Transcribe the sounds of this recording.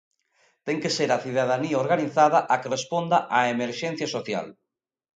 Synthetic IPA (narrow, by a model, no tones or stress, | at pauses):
t̪ɛŋkeseɾaθiðað̞aniaoɾɣaniθaðaʔakerespond̪aʔaemeɾʃɛ̃n̟θjasoθja̰l